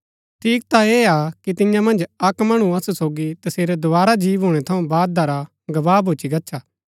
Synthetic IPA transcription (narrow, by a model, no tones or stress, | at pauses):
tʰiːk̚t̪aeːakit̪ɪ̃jãmɐ̃nd͡ʒɐkmɐɽ̃ũɐsusoːɡit̪ɐseːɾed̪oʋaːɾad͡ʒiːʋɦoːɽ̃ɛt̪ʰɐũbaːd̪̚d̪aɾa | ɡɐʋaːbʱoːt͡ʃiɡɐtːʃʰaː